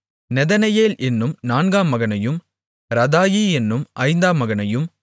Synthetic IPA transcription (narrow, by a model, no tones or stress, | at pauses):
nɛðɐnɐjeːlʔɛnːɯmnaːnɡaːmɐɣɐnɐjɯm | ɾɐðaːjiɛnːɯmʔɐɪnd̪aːmɐɣɐnɐjɯm